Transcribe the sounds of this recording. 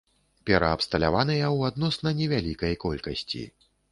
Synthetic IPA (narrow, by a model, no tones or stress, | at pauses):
pʲɛɾɐːpst̪ɐlʲa̰vanɨjɐwad̪nɔsnɐnʲɛvʲalʲikɐjkɔlʲkɐsʲt͡sʲḭ